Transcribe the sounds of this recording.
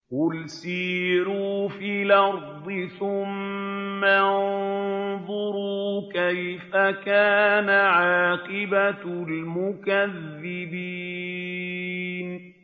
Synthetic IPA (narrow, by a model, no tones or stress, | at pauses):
wʊlsiːɾuːfiːlɑɾˤd̪ˤɨθʊmː | an | ðˤʊɾuːkajfakaːnaʕɑːqɪbalmʊkaðːɪbi | n